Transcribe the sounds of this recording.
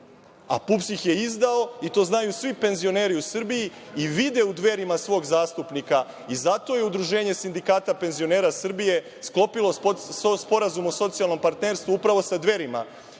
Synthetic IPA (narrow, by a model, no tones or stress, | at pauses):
a̰pupsixje̞izd̪ao̞it̪o̞ːznajusʋipe̞nzio̞ne̞ːɾiusr̩bijiiʋid̪e̞ud̪ʋe̞ɾimasʋo̞ːɡzaːst̪upnika | izat̪o̞je̞ud̪ɾuʒe̞ːɲe̞sind̪ikaːt̪ape̞nzio̞ne̞ːɾasr̩bije̞ | sklo̞pilo̞spo̞ɾazumoso̞t̪sialˠnompaɾt̪neɾst̪ʋuupɾaʋo̞sad̪ʋe̞ɾima̰